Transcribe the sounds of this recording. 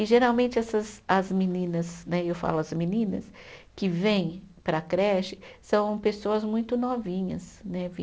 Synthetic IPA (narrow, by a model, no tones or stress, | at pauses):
ɪʒeɾawmẽnt͡ʃɪɛsɐzɐzminĩnɐsnɛewfa̰lʊɐzminĩnɐ̰s | kɪvẽj̃ | pɾɐkɾɛʃɪ̥sɐ̃w̃pesoɐzmũj̃t̪ʊnɔvĩɲɐsnɛvi